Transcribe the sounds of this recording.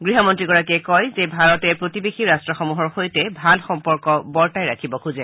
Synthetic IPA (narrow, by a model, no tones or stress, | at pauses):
ɡɹiɦɔmɔntɹiɡɔɹakɛkɔjzebʱaɹɔtɛpɹotibexiɹastɹɔxɔmuɦɔɹxojtɛbʱalxɔmpɔɹkɔbɔɹtajɹakʰibɔkʰuzɛ